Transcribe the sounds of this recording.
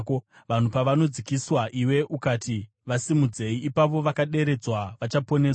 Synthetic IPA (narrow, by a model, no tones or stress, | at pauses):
ko | ʋan̤upaʋano̞d͡zikiswaʔiwe̞ʔukati | ʋasimud͡ze̞iːpaʋo̞ʋakaɗe̞ɾe̞d͡zwaʋat͡ʃapo̞neːwa